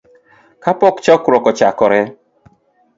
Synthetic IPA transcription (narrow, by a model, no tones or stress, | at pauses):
kʰapɔkt͡ʃɔkɾɔkɔt͡ʃakɔɾɛ